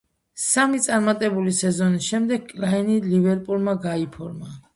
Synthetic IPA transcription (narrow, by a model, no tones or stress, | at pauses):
samit̪sʼaɾmat̪ʼɛbulisɛzɔnisʃɛmd̪ɛɡ̚kʼlainilivɛɾpʼulmaɡaipʰɔɾma